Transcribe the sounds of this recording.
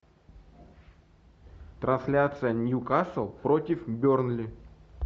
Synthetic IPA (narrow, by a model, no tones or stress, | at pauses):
t̪ɾɐnsʲlʲat̪sɨjənʲjukasəlˠpɾotʲɪfbʲornlʲɪ